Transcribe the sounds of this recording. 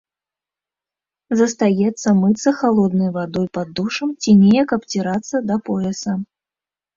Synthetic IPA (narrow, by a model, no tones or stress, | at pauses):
zɐst̪ajɛt̪sːɐmɨt̪sːɐxalˠɔd̪nɐjvad̪ɔjpɐd̪ːuʂɐmt͡sʲinʲejɐkɐpt͡sʲiɾat̪sːɐd̪ɐpɔɛsɐ